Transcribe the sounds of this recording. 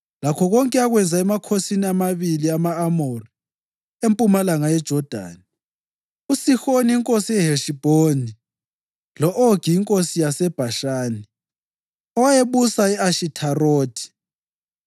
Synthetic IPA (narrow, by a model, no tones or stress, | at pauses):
lakʰɔɣɔŋkʼɛaɣwɛnd͡zʱaɛmakʰosiniamaβiliamaːmori | empʼumalaŋajɛd̥ʒ̥ʱɔd̥ʱa̰ːni | usixoniiŋkʼosiɛɦeʃib̥ʱoni | lɔʔoɡ̥ʱiːŋkʼosijasɛb̥ʱaʃaːni | ɔwajeβusaiaʃitʰaroːd̥ʰʱi̥